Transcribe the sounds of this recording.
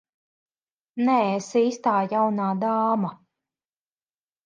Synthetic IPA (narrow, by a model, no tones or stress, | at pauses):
nɛsiːst̪aːjawnaːd̪aːma